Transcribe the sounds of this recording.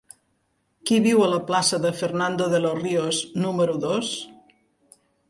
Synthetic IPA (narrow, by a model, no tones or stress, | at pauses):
kiβiwələplasəðəfəɾnand̪oðəlorioznuməɾuðos